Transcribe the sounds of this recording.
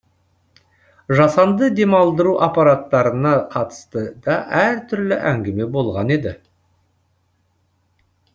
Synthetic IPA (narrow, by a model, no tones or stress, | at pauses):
ʒɑsɑnd̪əd̪e̞mɑlˠd̪əɾuʔapɑɾat̪ːɑɾənɑqʰɑt̪ə̥st̪əd̪̥ɑʔæɾt̪ʰʏɾlɪʔæŋɡʲeme̞bo̞lˠʁɑne̞d̪ɪ